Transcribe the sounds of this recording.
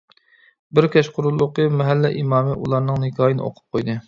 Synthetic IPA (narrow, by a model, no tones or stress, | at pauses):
bɪɾkʲʰɛʃqʰʊɾulˠːʊqəmɛɦɛlːɛʔimɑːmɨʔṵlˠɑɾnɨŋnɪkʲʰɑːjinɨ̰o̰qʰʊ̥p̚qʰojd̪ɨ